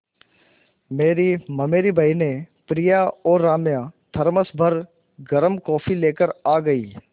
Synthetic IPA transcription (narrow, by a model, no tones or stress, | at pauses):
meːɾimɐmeːɾibʱainẽpɾijaɔːɾaːmjãt̪ʰɐɾməsbʱəɾ | ɡɐɾəmkɔːfʰileːkəɾaːɡɐḭː